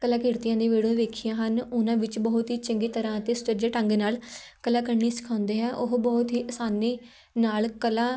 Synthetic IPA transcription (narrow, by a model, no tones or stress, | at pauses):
kəlaːkɪɾt̪ɪjãːd̪eːʋeːɽõːʋeːkʰijãːɦənʊnãːʋɪt͡ʃbɔːʊt̪ɦiːt͡ʃəŋɡeːt̪əɾãːət̪eːsʊ̥t͡ʃəd͡ʒeːʈə̃ŋɡnaːlkəlãːkəɾɳiːsɪ̥kʰãːʊnd̪eːɦɛːʔʊɦbɔːt̪ɦiːʔəsaːniː | naːlkəlãː